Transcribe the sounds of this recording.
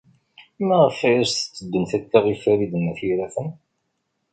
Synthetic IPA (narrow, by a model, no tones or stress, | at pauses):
mæʁəfæjæsθə̥t͡sːəd̪ːənθæt̪ːaʁifæɾid̪ənːæθiɾæθən